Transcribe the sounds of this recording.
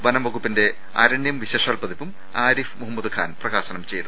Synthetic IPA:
bɐnɐmʋɐɣupːinde̞ | a̰ːɾɐɳjɐmʋiɕeːʂaːlpɐðipːum | aːɾifmuɦɐmːɐd̪ukʰa̰ːnprɐɣaːɕɐnɐmt͡ɕe̞jt̪u

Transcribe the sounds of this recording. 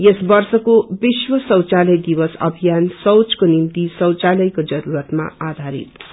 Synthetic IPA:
jesbʌrsʌkobiswʌsʌw̃t͡salʌjd̪iwʌsʌ̰bʱijansʌwt͡skonimt̪isʌ̃w̃t͡salʌjkod͡zʌɾuɾʌt̪ma̰ad̪ʱaɾḭt̪

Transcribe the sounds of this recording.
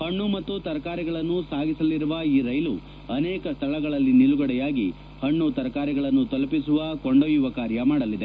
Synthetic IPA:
hɐɳːumɐt̪ːut̪ɐɾɐkaːɾiɡɐɭɐnːusaːɡisɐliɾuʋɐiːɾɐjlu | ɐneːkɐst̪ʰɐɭɐɡɐɭɐlːiniluɡɐɽɛjaːɡi | hɐɳːut̪ɐɾɐkaːɾiɡɐɭɐnːut̪ɐlɐpisuʋɐkoɳɖɐʋjuʋɐkaːɾjɐmaːɽɐlid̪e̞

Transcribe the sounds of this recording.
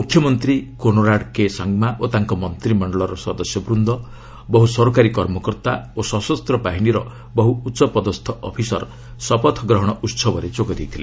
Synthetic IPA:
mukʰjɔmɔnt̪ɾikoñɔɾaɽkesaŋɡmaʔot̪aŋkɔmɔnt̪ɾimɔɳɖɔɭɔɾɔsɔd̪ɔsjɔbɾund̪ʱɔ | bɔɦusɔɾokaɾikɔɾmɔkɔɾt̪a̰osɔsɔst̪ɾɔpaɦiɽ̃iɾɔ | bɔɦuut̪ːsɔpɔd̪ɔst̪ʰɔʔɔpʰisɔ̰ɾ | sɔpɔt̪ʰɡɾɔɦɔɽ̃ɔʔut̪sɔbɔɾet͡ʃokɔd̪ijt̪ʰile

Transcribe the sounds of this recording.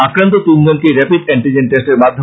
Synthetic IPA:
akɾant̪̬ot̪unɡonkiɾɛpiɖɛɳʈid͡ʑenʈesʈeɾmad̪ʱːo

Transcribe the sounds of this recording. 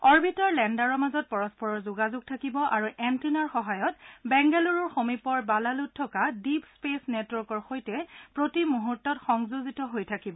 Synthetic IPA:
ɔɹbitɔɹlɛndaɹɔɹmazɔt̚pɔɹɔspɔɹɔɹzʊɡazʊɡ̚tʰakibɔʔaɹuʔɛntinaɹxɔɦajɔtbɛŋɡɛluɹɔɹxomipɔɹbalaluttʰːɔkadipspesnɛtwɔɹkɔɹxojtɛpɹotimuɦuɹtːɔtxɔŋzuzitɔɦojtʰakibɔ

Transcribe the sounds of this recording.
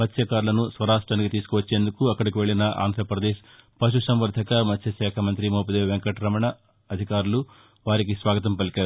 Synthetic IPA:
mɐt̪ʰjɐkaːɾulɐnusʋɐɾaːʂʈɾaːnikit̪iːsu̥kuʋɐt͡ʃːe̞ːnd̪ukuɐkːɐɽikiʋe̞ɭinɐʔa̰ːnd̪ʱɾɐpɾɐd̪eːʃ | pɐʃ̬usɐmʋɐɾd̪ʱɐkɐmɐt̪ʰjɐʃɛːkʰɐmɐnt̪ɾimoːpɐd̪eːʋʋeŋkɐʈɾɐmɐɳɐ | ɐd̪ʱikaːɾulu | ʋaːɾikisʋaːɡɐt̪ɐmpɐlikʲaːɾuu

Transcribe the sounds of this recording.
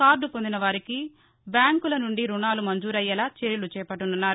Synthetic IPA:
kaːɾɖupond̪inɐʋaːɾiki | bjaːŋkulɐnuɳɖiɾunaːlumɐɲd͡ʒuːɾɐjːɐlaːt͡ʃeɾjilut͡ʃɛːpɐʈːununːaːɾu

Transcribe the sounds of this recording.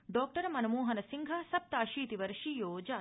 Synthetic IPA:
ɖɔːk̚ʈɐɾɐmɐnɐmuːɦɐnɐsiŋɡʱɐsɐp̚t̪aːʃiːt̪iʋɐɾʃijoːd͡ʒaː

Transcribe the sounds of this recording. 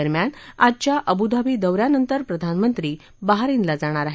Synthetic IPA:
əɾmjanad͡ʑt͡ɕjaʔəbud̪abiːd̪əwɾjanənt̪əɾpɾəd̪ʱanmənt̪ɾiː | baɦaɾinlad͡zaɽ̃aɾaɦ

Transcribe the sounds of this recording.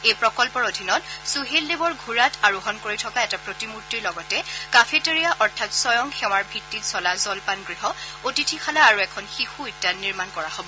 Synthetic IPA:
ejpɹɔkɔlpɔɹodʱinɔtsuɦeldebɔɹɡʱuɹatʰaɹuɦɔnkoɹitʰɔkaɛtapɹotimutɹilɔɡɔtɛkafʰeteɹijaʔɔɹtʰatsɔjɔŋxɛw̃aɹbʱitːitsɔlazɔlpanɡɹiɦɔotitʰixʰalaːɹuɛkʰɔnxixuetianiɹmankɔɹahobɔ

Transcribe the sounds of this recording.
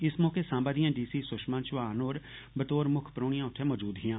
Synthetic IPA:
ɪsmõːkesãːmbad̪ijãːɖiːsisʊʃmãːnt͡ʃʋaːnoːɾ | bət̪oːɾmʊkʰpɾoːɽ̃ijãːʊʈʰemɔːd͡ʒuːd̪ɦijãː

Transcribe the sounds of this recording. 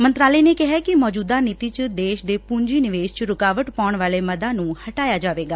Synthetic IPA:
mənt̪ɾaːləeiːneːkɪɦɛːkɪmɔːd͡ʒuːd̪aːnit̪iːt͡ʃd̪eːʃd̪eːpuɲd͡ʒiːnɪʋeːʃt͡ʃɾʊkaːʋəʈpaːʊɳʋaːleːməd̪ãːnũːhəʈaːjaːd͡ʒaːʋeːɡaː

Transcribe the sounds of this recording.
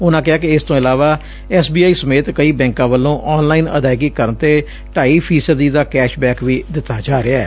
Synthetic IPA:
ʊnãːkɪɦaːkɪɪst̪õːɪlaːʋaː | ɛːsbiːaːiːsəmeːt̪kəiːbɛ̃ːŋkãːʋəlːõːʔɔːnlaːiːnə̰d̪aːjɡiːkəɾnt̪eː | ʈaːiːpʰiːsəd̪iːd̪aːkɛːʃbɛ̃ːkʋiːd̪ɪt̪ːaːd͡ʒaːɾeaɛː

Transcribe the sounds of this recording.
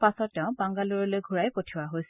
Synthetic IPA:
pasɔtːɛʊ̃baŋɡaluɹɔlojɡʱuɹajpotʰiwaɦojs

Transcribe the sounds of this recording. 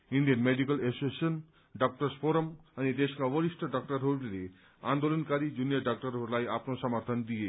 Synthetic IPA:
iɳɖijənmeɖikəlesoən | ɖak̚ʈəɾspʰoɾəmənid̪eʃkaʋəɾisʈʰəɖak̚ʈəɾɦoɾle | ã̰nd̪olənkaɾid͡ʒunijəɖak̚ʈəɾɦoɾlaːiaːpnosəməɾt̪ʰənd̪ie

